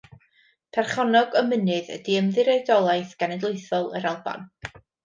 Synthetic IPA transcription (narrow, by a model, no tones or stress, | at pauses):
pʰɛrχɔnɔɡɔmənɨðə̰diəmðɨɾɛdɔlˠajθɡ̥anɛdlˠoɨθɔlˠə̰ɾalˠba̰n